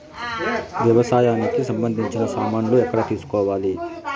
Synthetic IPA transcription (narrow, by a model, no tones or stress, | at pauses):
ʋjɐʋɐsaːjaːnikisɐmbɐnd̪ʱiɲt͡ʃinɐsaːmaːnloːɛkːɐɽɐt̪iːsu̥kɔːʋaːli